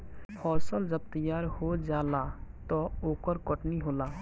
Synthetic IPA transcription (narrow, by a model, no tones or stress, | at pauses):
hʰɔːsəld͡ʒəb̚t̪əjaːɾhod͡ʒaːlat̪ɔoːkəɾkəʈniɦoːlaː